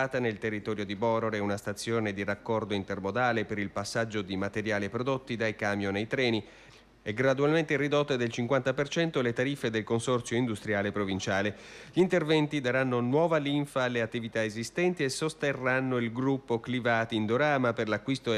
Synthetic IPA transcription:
aːt̪anelt̪erːit̪ɔːɾjod̪ibɔɾoɾeunast̪at̪sːjoːned̪irakːɔrd̪oint̪ermod̪aːlepeɾilpasːad͡ʒːod̪imat̪eɾjaːliepɾod̪ot̪ːid̪ajkaːmjonejt̪ɾɛːni | ɛɡɾad̪ualment̪erid̪ot̪ːed̪elt͡ʃiŋkwant̪apert͡ʃɛnt̪olet̪aɾifːed̪elkonsɔrt̪sjoind̪ust̪ɾjaːlepɾovint͡ʃaːleʎiːnt̪ervɛnt̪id̪aɾanːonwɔːvaliɱfaːlːeat̪ːivit̪aezist̪ɛnt̪iesost̪erːanːoilɡɾupːoklivaːt̪ind̪oɾaːmaperlakːwist̪o

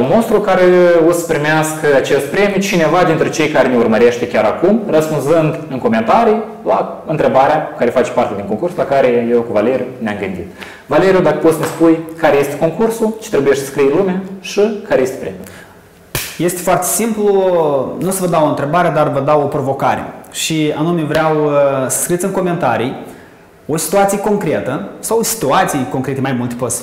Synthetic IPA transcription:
unmost̪ɾukaɾeosə̥pɾimeaskəat͡ʃe̞st̪̚pɾe̞miut͡ʃine̞vad̪int̪ɾet͡ʃe̞jkaɾeneurməɾe̞ʃt̪e̞kʲaɾakumrəspunzɨnd̪ɨŋko̞me̞nt̪aɾij | laɨnt̪ɾe̞baɾeaku̥kaɾe̞fat͡ʃpart̪ed̪iŋko̞ŋkursulakaɾe̞jewkuvale̞ɾijuneamɡɨnd̪it̪ | vale̞ɾijud̪akə̥pot̪snespujkaɾe̞je̞st̪eko̞ŋkursut͡ʃe̥t̪ɾebujeʃtsə̥skɾijnlumʲjaʃikaɾejest̪epɾem | je̞st̪efoart̪esimplunusəvəd̪awoɨnt̪ɾe̞baɾeed̪arvəd̪awopɾo̞vo̞kaɾḛʃianume̞vɾeawsə̥skɾit̪sɨŋko̞me̞nt̪aɾij | o̞si̥t̪uat̪sijeko̞ŋkɾe̞t̪əsawsi̥t̪uat̪sijko̞ŋkɾe̞t̪emajmult̪epot̪sʲ

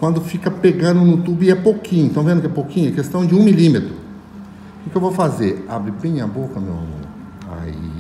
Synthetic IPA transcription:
kwɐ̃nd̪ʊfikɐpeɡɐ̃nd̪ʊnʊut̪ubʊɛpokʰĩɲʊ̃t̪ɐ̃w̃vẽd̪ʊkɛpokĩɲʊɛkest̪ɐ̃w̃d͡ʒɪũmilimet̪ɾʊ | kɪkɪewvowfazeɾabɾɪbẽj̃ɐbokɐmewa̰mõ̰ | a̰ḭ

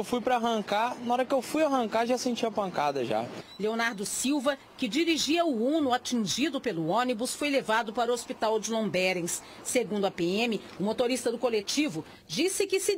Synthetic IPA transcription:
wfujpɾɐaɦɐ̃ŋkaɾnɐɔɾɐkɪewfujaɦɐ̃ŋkaʒasẽt͡ʃiɐpɐ̃ŋkad̪ɐʒa̰leonaɾd̪ʊsiwvɐ | kɪd͡ʒiɾiʒiɐʊunʊat͡ʃĩʒid̪ʊpelʊõnibʊsfojlevad̪ʊpaɾʊospit̪awd͡ʒɪlõbɛɾẽsː | eɡũnd̪ʊɐpeẽmɪ | ʊmot̪oɾist̪ɐd̪ʊkolet͡ʃivʊ | d͡ʒisɪkɪsɪ

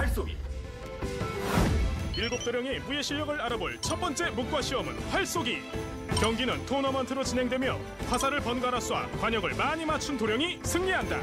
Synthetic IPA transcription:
aɭs͈oɡḭ | iɭɡop̚t͈oɾjʌŋe̞muje̞ɕʰiʎːʌɡɯɭaɾaboɭt͡ɕʰʌt̚p͈ʌnt͡ɕ͈e̞muk̚k͈waɕʰiʌmɯnɸwaɭs͈oɡi | kjʌŋɡinɯntʰonʌmʌntʰɯɾot͡ɕinɦe̞ŋdwemjʌ̰ | kʰwasʰaɾɯɭpʌnɡaɾas͈ʰuwa̰kwaɲʌɡɯɭmaɲimat͡ɕʰuntoɾjʌŋisʰɯŋɲiɦanda̰

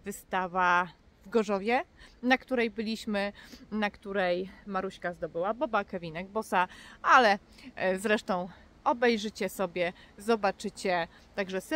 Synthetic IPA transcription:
vɘst̪ava | vɡɔʐɔvʲjɛnakt̪uɾɛjbɘlʲiɕmɘnakt̪uɾɛjmaɾuɕkazd̪ɔbɘwabɔbakɛvʲinɛɡ̚bɔsaʔalɛzɾɛʂt̪ɔ̃w̃ | ɔbɛjʐɘt͡ɕɛsɔbʲjɛzɔbat͡ʂɘt͡ɕɛ | t̪aɡʐɛs

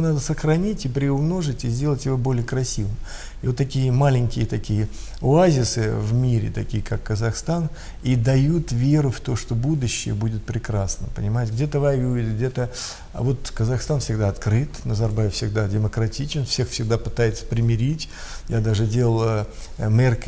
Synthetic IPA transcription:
nad̪əsəxɾɐnʲitʲɪpɾʲɪʊmno̞ʐɨtʲɪzʲdʲelˠətʲjɪvobo̞lʲɪjəkɾɐsʲivɨm | ɪvot̪ːɐkʲijəmalʲɪnʲkʲɪjət̪ɐkʲijə | ʊazʲɪsɨvmʲiɾʲɪ̰t̪ɐkʲijəkakːəzɐxst̪an | id̪ɐjut̪vʲe̞ɾʊft̪o̞ʂt̪o̞bud̪ʊɕːɪ̰jə̰budʲɪt̪̚pɾʲɪkɾasnə̰pənʲɪmajɪtʲɪɡ̚dʲe̞t̪əvajvʲɪʊidʲɪɡdʲe̞t̪ə̰ | vo̞t̪kəzɐxst̪anfsʲɪɡd̪aɐt̪kɾɨt̪nəzɐrbajʲɪfsʲɪɡd̪adʲɪməkɾɐtʲit͡ɕɪnfsʲe̞xfsʲɪɡd̪apɨ̥t̪ajɪt̪sə̥pɾʲɪmʲɪɾʲitʲjad̪aʐɨdʲelˠəlˠəmʲerk

